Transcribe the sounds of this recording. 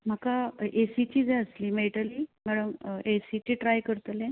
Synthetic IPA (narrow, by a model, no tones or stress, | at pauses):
m̤əkaʔesit͡ɕiːd͡zẽəsliːmeʈəliːmæɽumesit͡ɕiʈɾajkəɾt̪lẽ